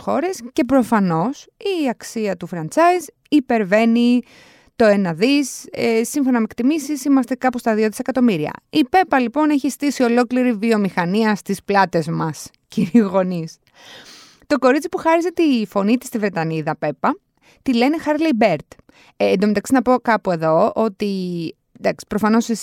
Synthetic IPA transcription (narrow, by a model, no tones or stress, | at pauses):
xo̞ɾe̞sce̞pɾo̞fɐno̞siɐksiɐt̪ufɾɐnt͡sɐiz | ipe̞ɾve̞ni | t̪o̞enɐðisesiɱfo̞nɐmekt̪imisisimɐst̪e̞kɐpost̪ɐðio̞ðisekɐt̪o̞miɾiɐ̰ipe̞pɐlipo̞ne̞çist̪isio̞lo̞kliɾivio̞mixɐniɐst̪isplɐt̪e̞zmɐs | ciɾiuɣo̞nis | t̪o̞ko̞ɾit͡sipuxɐɾiset̪ifo̞nit̪ist̪ivɾe̞t̪ɐniðɐpe̞pɐ | t̪ile̞nexɐɾlebe̞ɾt̪ː | nd̪omet̪ɐksinɐpo̞kɐpue̞ðo̞o̞t̪i | nd̪ɐksi̥pɾo̞fɐno̞sis